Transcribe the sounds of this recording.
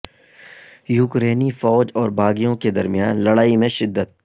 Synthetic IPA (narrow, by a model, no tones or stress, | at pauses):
juːkɾeːnifɔːd͡ʒɔːɾbʱaːɡijõked̪ɐɾmijaːnlɐɽaːimẽʃɪd̪ːət̪̚